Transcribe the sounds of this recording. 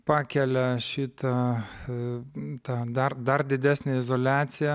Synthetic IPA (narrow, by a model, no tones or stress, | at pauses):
pɑːkʲɛlʲɛʃʲit̪ɐ | t̪ɑːd̪ɐrd̪ɐrd̪ʲɪd̪ʲæːsʲnʲeɪzoːlʲæːt̪sʲɪjɛ